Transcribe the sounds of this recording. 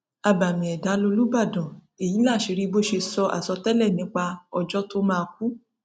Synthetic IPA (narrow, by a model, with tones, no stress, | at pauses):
a˧ba˨mĩ˨ɛ˨da˨˦lo˧lu˦ba˦˨dɔ̃˨ | e˨ji˨˦la˦˨ʃi˨˧ɾi˧bo˦ʃe˧sɔ˧ʔa̰˨sɔ˧tɛ˦lɛ˦˨nĩ˨˦k͡pa˧ɔ˧d͡ʒɔ˦to˦mãː˦˧k̚u˦